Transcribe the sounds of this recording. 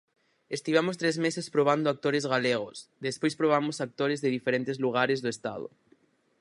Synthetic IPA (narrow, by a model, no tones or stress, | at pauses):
est̪iβ̞amʊst̪ɾezmesɪspɾoβ̞and̪ʊak̚t̪oɾɪzɣaleɣ̞ʊsd̪espojspɾoβamʊsak̚t̪oɾɪzðeðifeɾent̪ɪzluɣ̞aɾɪzðʊest̪a̰ðʊ̰